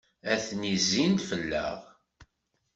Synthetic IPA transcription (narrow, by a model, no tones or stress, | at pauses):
æθnizːint̪fəlːə̰ʁ